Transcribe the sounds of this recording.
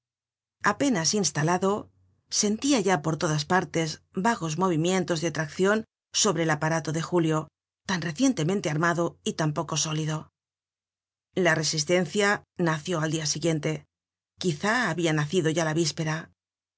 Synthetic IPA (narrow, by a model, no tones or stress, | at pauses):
ape̞nasinst̪alaðo̞ | se̞nt̪iaʝapo̞ɾt̪o̞ðaspaɾt̪e̞zbaɣo̞zmo̞βimjẽ̞nt̪o̞zðeat̪ɾakθjo̞n | so̞βɾe̞ːlapaɾat̪o̞ðe̞xuljo̞ | t̪anre̞θje̞nt̪e̞mẽnt̪e̞aɾmaðo̞it̪ampo̞ko̞so̞liðo̞ | lare̞sist̪e̞nθjanaθjo̞ald̪iasiɣje̞nt̪e̞ | kiθaːβianaθiðo̞ʝalaβispe̞ɾa